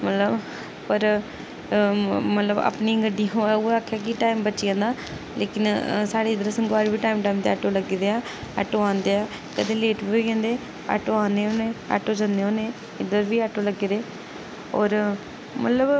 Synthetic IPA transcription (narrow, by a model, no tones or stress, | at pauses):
mət̪ləb | pəɾ | mət̪ləba̰ːpniːŋɡəɖioːoaːkʰːeaːkɪʈaːimbəːt͡ʃʃiãːnd̪aː | leːkɪnsaːɽeːɪd̪əɾsəŋɡaːɾbiːʈaːimʈaːimt̪eaʈoːləɡid̪eːaː | ə̰ʈoːãːnd̪eːaː | kəd̪ẽːleːʈbiːiːkẽːnd̪eː | a̰ʈoːãːneːɦoːneːa̰ʈoːd͡ʒãnd̪eːɦoːneː | ɪd̪əɾbiːaʈoːləɡed̪eː | ɔːɾ | mət̪ləb